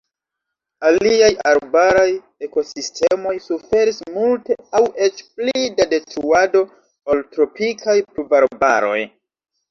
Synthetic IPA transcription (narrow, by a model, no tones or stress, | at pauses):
aliajaɾbaɾaj | e̞ko̞sistʰe̞mo̞jsufe̞ɾismulte̞awe̞t͡ʃplidade̞tɾuado̞ | oltɾo̞pikʰajpɾubaɾba̰ɾo̞̰j